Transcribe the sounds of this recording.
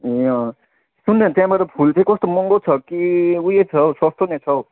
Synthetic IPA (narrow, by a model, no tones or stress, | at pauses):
eʌ̃ | sunːʌt̪jãbaɾʌpʰult͡sʰʌĩkʌst̪omɔŋɡot͡sʰʌkiujet͡sʰʌswʌst̪ʰonet͡sʰʌw